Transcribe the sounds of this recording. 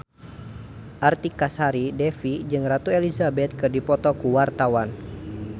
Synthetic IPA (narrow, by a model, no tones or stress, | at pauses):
ʔart̪ikasaɾidɛfid͡ʒɨŋrat̪uelizabɛt̪̚kɨrdipɔt̪ɔkuwart̪awan